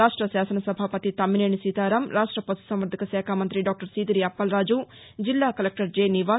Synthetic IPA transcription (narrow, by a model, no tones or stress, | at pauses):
aːʂʈɾɐʃaːsɐnɐsɐbʱaːpɐt̪it̪ɐmːineːɳisit̪aːɾɐmɾaːʂʈɾɐpɐsu̥sɐmʋɐɾd̪ʱɐkɐʃɛːkʰaːmɐnt̪ɾiɖaːk̚ʈɐɾsiːd̪iɾiɐpːɐlɾaːd͡ʒu | d͡ʒilːaːkɐlek̚ʈɐɾd͡ʒeːniʋaː